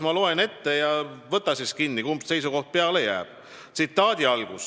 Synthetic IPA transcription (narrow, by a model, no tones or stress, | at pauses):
mɑlo̞ene̞t̪ːe̞jɑvɤt̪ːˑɑsiskinːikumse̞jsuko̞ht̪̚pe̞ɑlejæ̰ːb̥̚ | t̪sit̪ːˑɑːd̪̥ʲiɑlɡ̥us